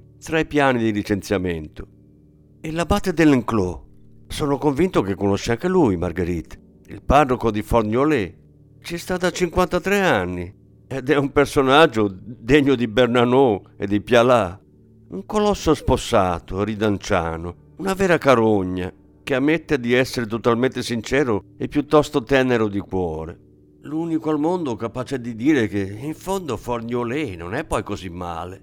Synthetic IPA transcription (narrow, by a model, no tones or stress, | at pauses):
t̪ɾaipjaːnid̪ilit͡ʃent̪sjamɛnt̪ʊ̥ | ɛlabat̪ːed̪ɛlŋklɔ | soːnokoɱvint̪ʊkekːonoʃːaŋk̟elujma̰ɾɡeɾit̪ | ḭlparːokod̪ifɔrɲjolɛ | t͡ʃɛst̪aːt̪at͡ʃːiŋkwant̪at̪ɾɛanːi | ɛd̪ɛumpeɾsonad͡ʒːʊd̪eɲːʊd̪ibɛrnanɔ | ed̪ipjala | uŋkolɔsːosposːaːt̪oɾid̪ant͡ʃa̰ːno | unavɛːɾakaɾoɲːa̰ | k̟eamːet̪ːed̪iɛsːeɾet̪ot̪alment̪esint͡ʃɛːɾʊepːjut̪ːɔst̪ot̪ɛneɾʊd̪ikwɔːɾe | lunikoalmond̪ʊkapaːt͡ʃɛd̪id̪iːɾek̟eiɱfond̪ofɔrɲolɛno̰nɛpːɔjkozimːa̰ːle